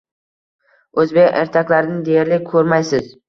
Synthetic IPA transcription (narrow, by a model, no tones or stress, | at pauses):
ɵzbekʲḛɾt̪ʰakʲlaɾɪnɪd̪ejaɾlɪkʰɵɾmajsɪz